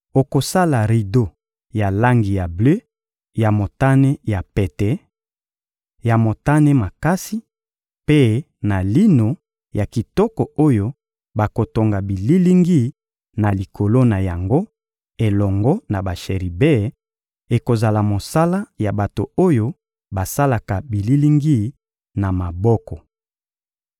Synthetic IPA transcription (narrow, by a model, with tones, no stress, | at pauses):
o˨ko˨sa˦la˨ʁi˨do˦ | ja˨la˦ŋɡi˨ja˨blø˦ | ja˨mo˨ta˦ne˦ja˨pe˨tɛ˨˦ | ja˨mo˨ta˦ne˦ma˨ka˦si˦ | pe˦ | na˨li˦no˨ | ja˨ki˨tɔ˦kɔ˨o˦jo˦ | ba˨ko˨to˨ŋɡa˨bi˨li˦li˦ŋɡi˦˨ | na˨li˨kʰo˨lo˦na˨ja˨ŋɡo˦ | e˨lɔ˨ŋɡɔ˦na˨ba˨ʃe˨ʁi˨be˦ | e˨ko˨za˨la˨mo˨sa˦la˦ja˨ba˨to̰˨o˦jo˦ | ba˨sa˦la˨ka˨bi˨li˦li˦ŋɡi˦˨ | na˨ma˨bɔ˦kɔ˨